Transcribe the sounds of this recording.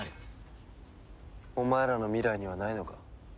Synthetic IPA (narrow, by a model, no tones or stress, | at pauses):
omaeɾano̞mʲiɾaiɲ̟iβ̞anaino̞ka